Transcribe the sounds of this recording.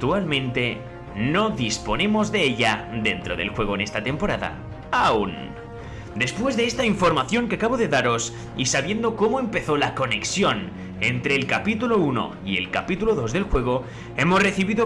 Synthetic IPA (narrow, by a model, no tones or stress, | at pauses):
t̪ualmẽ̞nt̪e̞ | no̞ðispo̞nẽ̞mo̞zðe̞eʎad̪e̞nt̪ɾo̞ðe̞̰lxwe̞ɣ̞o̞ene̞st̪at̪e̞mpo̞ɾaða̰ | aun | d̪e̞spwe̞zðe̞est̪aiɱfo̞ɾmaθjo̞ŋke̞akaβo̞ðe̞ðaɾo̞s | isaβje̞nd̪o̞ko̞mo̞e̞mpe̞θo̞lako̞ne̞ksjo̞n | e̞nt̪ɾe̞ːlkapit̪ulo̞uno̞̰ | ie̞̰lka̰pit̪uloðo̞zðe̞lxwe̞ɣ̞o̞ | e̞mo̞sre̞θiβiðo